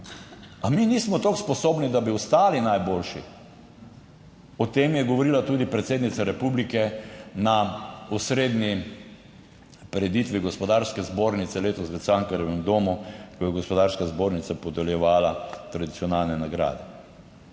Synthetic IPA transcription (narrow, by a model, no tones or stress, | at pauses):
aminiːsmɔt̪okspɔsoːbnid̪abiʊst̪aːlinajbolʃi | ɔt̪eːmjɛɡɔʋɔɾilat̪uːd̪ipɾɛt̪seːd̪nit̪saɾɛpublikɛnausɾeːd̪ni | pɾɛd̪it̪ʋiɡɔspɔd̪aɾskɛzboːɾnit̪sɛleːt̪ɔsʋɛt̪saŋkaɾɛʋɛmd̪omukɔjɛɡɔspɔd̪aːɾskazboːɾnit̪sapɔd̪ɛljɛʋaːlat̪ɾad̪it̪siɔnalnɛnaɡɾa̰ːd̪ɛ